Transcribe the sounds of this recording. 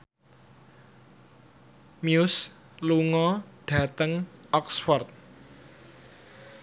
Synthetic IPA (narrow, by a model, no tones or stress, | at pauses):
mjʊs | luŋɔɖ̥ä̤t̪əŋɔksfɔrt̪̚